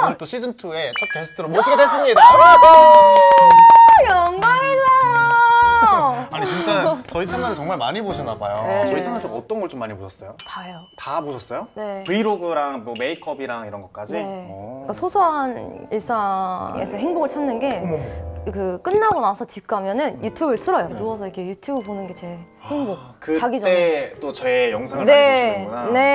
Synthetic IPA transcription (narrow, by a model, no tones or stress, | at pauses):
t͈oɕʰid͡ʑɯmtʰue̞t͡ɕ͈ʰak̚tosʰɯ̥tʰɯɾomoɕʰiɡedes̬͈ɯmɲidaɡado | jʌŋmaɡina | aɲit͡ɕint͡ɕ͈at͡ɕʌit͡ɕʰaŋanɯɭt͡ɕʌŋmaɭmaɲiboɕʰʌnabajonet͡ɕʌit͡ɕʰaŋant͡ɕ͈oʌt͈ʌnɡʌɭt͡ɕomːaɲibot͡ɕʰʌs͈ʌjokajotaboɕʰʌs͈ʌjone̞pɯiɾoɡɯɾaŋmʌme̞ikʰʌbiɾaŋiɾʌnɡʌt̚k͈ad͡ʑiek͈asʰosʰuɦaniɭs͈aŋḛsʰʌɦeŋboɡɯɭt͡ɕʰanːɯnɡe̞ | kɯk͈ɯnːaɡonasʰʌt͡ɕip̚k͈ʰamjʌnɯnjutʰjubɯɭtʰɯɾʌjonuʌsʰʌikʰe̞jutʰjubɯɭponɯnɡe̞t͡ɕe̞ | eŋbo | kɯt͡ɕaɡid͡ʑʌet͈ot͡ɕʌejʌŋsʰaŋane̞onane̞